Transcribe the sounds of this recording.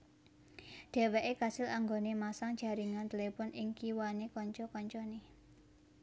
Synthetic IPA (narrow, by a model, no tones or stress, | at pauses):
ɖ̥e̤weʔekasɪlaŋɡonemasaŋ̥d͡ʒ̥a̤ɾiŋant̪elepɔnɪŋkiwanekɔɲt͡ʃɔkɔɲt͡ʃɔne